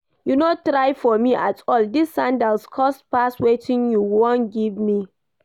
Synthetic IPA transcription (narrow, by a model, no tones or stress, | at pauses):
junotɹajfɔmiʔatʰɔldisːãndalskʰɔstpaswetʰĩnjuwɔ̃nɡivmi